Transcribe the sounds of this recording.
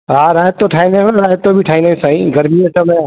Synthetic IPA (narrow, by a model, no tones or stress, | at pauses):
ɦaɾaːjət̪ːoʈʰaːineɦõɾaːjət̪ːobʱiʈʰaːinesaːĩɡɐɾmieʈɐmẽ